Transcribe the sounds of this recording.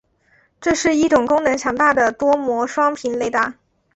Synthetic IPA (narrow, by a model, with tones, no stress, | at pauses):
ʈ͡ʂɤ˥˧ʂɻ̩˥˧i˥˩ʈ͡ʂʊ˨˩ŋkʊ˥ŋnɤ˧˥ŋt͡ɕʰjɑ˧˥ŋt̪a˥˩d̪ə˩t̪wɔ˥mwɔ˧˥ʂwɑ˥ŋpʰi˧˥nle˧˥ɪt̪a˥˩